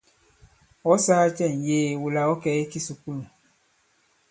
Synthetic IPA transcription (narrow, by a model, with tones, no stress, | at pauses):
ɔ˦saː˦t͡ʃɛ˦˨n̩˨jeː˦wu˨la˨ɔ˦kɛ˨˦e˦ki˦su˨ku˦lũ˨